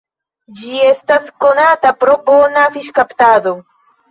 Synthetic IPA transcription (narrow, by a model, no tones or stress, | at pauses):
d͡ʒijest̪askonat̪apɾoponafɪʃkapt̪aːd̪o